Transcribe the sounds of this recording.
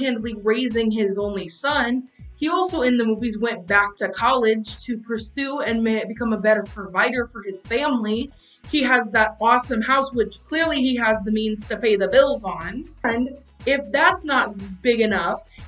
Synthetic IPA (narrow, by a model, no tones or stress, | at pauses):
ɨ̃ndˡliɹeɪzɪ̃ŋɪzõʊ̃nlisʌ̃n | iɔlˠsoʊɨ̃nðɨmuvizwɛ̃nb̥æk̚tʰɨkʰɑlˠɪd̥ʒ̥tʰɨpʰə˞sʉɨ̃nmebɨkʰʌ̃məbɛɾə˞pʰɹ̥ɨvaɪɾə˞fə˞ɨz̥fæ̃mli | iəzðəɾɔsɨ̃mhaʊswɪt͡ʃkʰl̥ɪɹliiɨzðɨmĩnz̥tʰɨpʰeɪðɨbɪlˠzñ̩nd | ɪfðætsnət̚b̥ɪɡɨnʌf